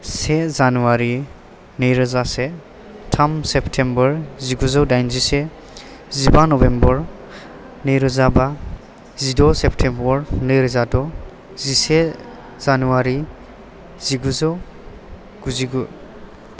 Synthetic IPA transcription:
sezanuwaɾi | nɯjɾɯzase | tʰamseptʰembɔɹziɡuzɔwdajnzise | zibanɔbembɔɹ | nɯjɾɯzaba | zidɔseptʰembɔɾnɯjɾɯzadɔ | zise | z̥anuaɾi | ziɡuzɔw | ɡ̥uziɡu

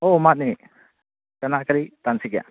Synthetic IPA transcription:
omat̪̚ni | kanakaɾit̪ansikja̰

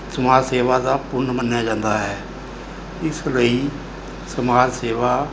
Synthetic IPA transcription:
səmaːd͡ʒseːʋaːd̪aːpʊnmənjaːd͡ʒãːnd̪aːɦɛː | ɪsləiː | səmaːd͡ʒseːʋaː

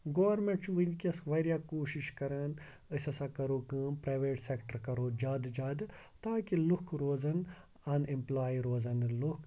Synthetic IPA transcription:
ɡoːʋɐɾmẽɳʈt͡ʃʋinkʲɐsʋɐɾjaːkoːʃiʃkɐɾɐːn | əsɐsaːkɐɾoːkɨːmpɾaːʋeːʈsekʈəɾkɐɾoːd͡ʒaːd̪d͡ʒaːd̪ | t̪aːkilukʰɾoːzɐn | ɐnimplaːiɾoːzɐnluk

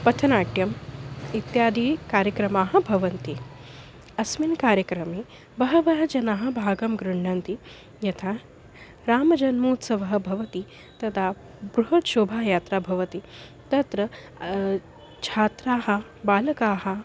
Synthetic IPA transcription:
pɐt̪ʰɐnaːʈjɐmit̪jaːd̪ʱiːkaːɾjɐkɾɐmaːɦɐ̆bʱɐʋɐnt̪i | ɐsminkaːɾjɐkɾɐmiː | bɐɦɐʋɐɦɐd͡ʒɐnaːɦɐ̆bʱaːɡɐmɡɾuɳːɐnt̪i | jɐt̪ʰaː | ɾaːmɐd͡ʒɐnmuːt̪sɐʋɐɦɐ̆bʱɐʋɐt̪i | t̪ɐt̪ʰaː | bɾuɦɐʈʃoːbʱaːjaːt̪ɾaːbʱɐʋɐt̪i | t̪ɐt̪ɾɐ | t͡ʃʰaːt̪ɾaːɦɐ̆ | baːlɐkaːɦɐ̆

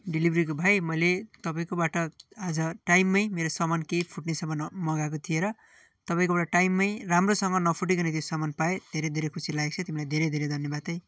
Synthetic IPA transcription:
ɖilibʱɾikobʱajmʌjlet̪ʌpaĩkobaʈʌad͡zʌʈajmːʌjmeɾosʌmankepʰuʈnesʌmʌnmʌɡak̬ot̪ʰieɾʌ | t̪ʌpaĩkobaʈʌʈajmːʌjramrosʌŋɡʌnʌpʰuʈ̬ikʌnet̪josʌmanpaed̪ʱeɾed̪ʱeɾekʰusilajk̚t͡sʰʌt̪imilajd̪ʱeɾejd̪ʱeɾed̪ʱʌnjʌbat̪ʌj

